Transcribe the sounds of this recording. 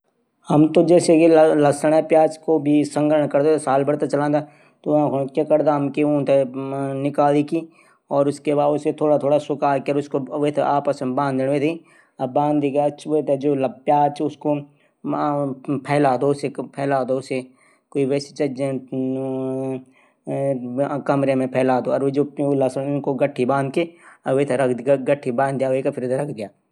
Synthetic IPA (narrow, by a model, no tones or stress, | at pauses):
hɐmt̪od͡ʒɛːsekelɐsəɽ̃apjaːt͡ʃkobʱisə̃ŋɡəɾəɳ̃kɐɾd̪et̪saːlbəɽt̪et͡ʃɐlãːd̪a | t̪õkkjakəɾd̪aɦɐmkiũːt̪enɪkaːliki | ɔːɾʊskebaːset̪ʰoːɽat̪ʰoːɽasʊkaːɾkeəɾʊskoʋet̪ʰeaːpəsbãːnd̪ɪɽ̃ʋet̪ʰi | ɐbãːnd̪iɡat͡ʃʰːt̪ʰed͡ʒoːlɐbjaːt͡ʃʰʊsko | pʰɛːlaːd̪oʊsepʰɛːlaːd̪ose | koːiʋɛːse̥t͡ʃɐd͡ʒ | kɐmɾemẽpʰɛːlaːd̪oɔɾd͡ʒoːlːaːsəʊnkoɡəʈʰːibãːnd̪̚keɐʋet̪ʰeɾɐkʰɡəʈʰːibãːnd̪ɪjaʋekapʰɪɾet̪ʰeɾɐkʰd̪ɪjaː